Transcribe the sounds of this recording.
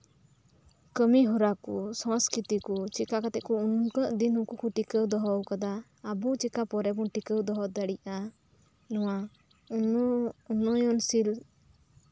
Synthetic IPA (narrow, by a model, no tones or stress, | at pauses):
kəmiɦɔɾakɔsɔ̃skɾit̪ikut͡ʃikakat̪ɛʔkɔunkəʔd̪inhũkukuʈikəwd̪ɔɦɔwkad̪aː | but͡ʃikapɔɾɛbɔnʈikəwd̪ɔɦɔd̪aɽiʔa | nɔwa | unɔjɔnsil